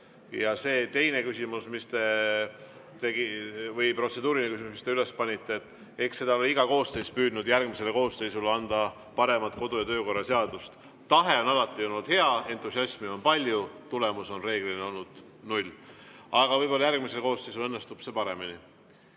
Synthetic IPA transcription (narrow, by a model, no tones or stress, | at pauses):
jɑse̞ːt̪e̞jne̞kysimusmist̪e̞ | t̪e̞ɡivɤjpro̞t̪se̞d̪uːɾinekys̬ʲimusmist̪e̞yle̞spɑnʲit̪ːet̪ːˑ | ekse̞d̪ɑoliiɡɑko̞ːsːe̞jspyːd̪nud̪jærɡ̥mise̞leko̞ːsːe̞jsulɑnd̪̥ɑ | pɑɾe̞mɑt̪ko̞d̪̥ujɑt̪ø̞ːko̞rːɑse̞ɑd̪̥ust̪ | t̪ɑɦe̞o̞nɑlɑt̪ːˑio̞lnud̪̥he̞ɑe̞nt̪ːˑusiɑsʲmio̞npɑlʲjut̪ule̞muso̞nre̞ːɡ̥lineo̞lnud̪̥ | nulʲ | ɑɡ̥ɑvɤjbo̞lːɑjærɡ̥mise̞leko̞ːsːejsulenːe̞st̪ub̥sepɑɾe̞mini